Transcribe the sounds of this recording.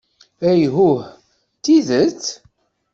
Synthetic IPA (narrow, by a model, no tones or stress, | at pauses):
æjɦuh | t̪ːiðət͡sː